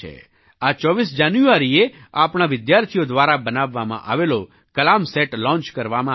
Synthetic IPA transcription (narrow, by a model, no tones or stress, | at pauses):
ḛ | at͡ʃɔʋisd͡ʒanjuaɾieapɳaʋɪd̪jaɾt̪ʰijod̪ʋaɾabənaʋːamã̰ʔa̰ʋelo | kəlamseʈlɔ̃nt͡ʃkəɾʋamã